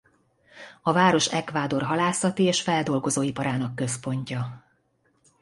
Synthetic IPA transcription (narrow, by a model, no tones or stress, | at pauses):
ɒvaːɾo̞ʃɛkvaːd̪o̞rɦɒlaːsɒt̪ieːʃfɛld̪o̞lɡo̞zoːipɒɾaːnɒkːø̞spo̞ɲcɒ